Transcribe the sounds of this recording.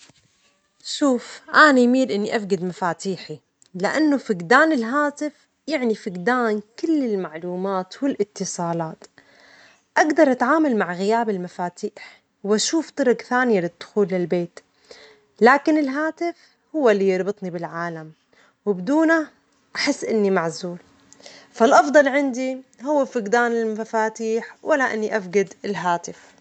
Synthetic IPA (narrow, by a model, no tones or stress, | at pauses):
ʃuːfʔanajmiːlʔɪnːiʔafɡad̪mafaːt̪iːħi | lɪʔanːʊfɪɡd̪aːnɪlɦaːt̪ɪf | jaʕnifɪɡd̪aːnkɪlːɪlmaʕluːmaːt̪wɪlʔɪt̪ːɨsˤɑːlɑːt̪ | ʔaɡd̪ɑɾˤʔat̪ʕaːmalmaʕɣɪjaːbɪlmafaːt̪iːħ | wʔaʃuːft̪ˤɨɾʊɡθaːnɪjalɪd̪̥ːʊ̥xuːlːɪlbeːt̪ | laːkɪnɪlɦaːt̪ɪf | hʊwːalːijɑɾˤbɨt̪ˤnibɪlʕaːlam | wɪbd̪uːna | ʔaħɪsːʔɪnːimaʕzuːl | falʔɑfd̪ˤɑlʕɪnd̪ihʊwːafɪɡd̪aːnɪlmafaːt̪iːħwʔalːaʔɪ̰nːiʔafɡad̪ɪlɦaːt̪ɪf